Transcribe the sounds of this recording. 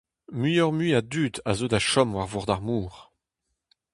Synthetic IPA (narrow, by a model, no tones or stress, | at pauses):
myjɔʁmiadyːda̰zodaʃɔmwaʁvɔʁd̪aʁmuːʁ